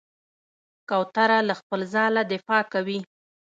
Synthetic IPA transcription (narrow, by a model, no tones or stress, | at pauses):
kawt̪aɾalaxpəlzɑlad̪ɪfɑkawi